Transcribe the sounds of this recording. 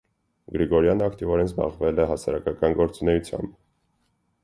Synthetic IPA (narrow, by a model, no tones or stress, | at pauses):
ɡɾiɡɔɾjɑnəɑkt̪ivɔɾɛnzbɑ̰ʁvɛlɛɦɑsɑ̰ɾɑkɑkɑnɡɔɾt͡sunɛjut͡sʰjɑ̰mb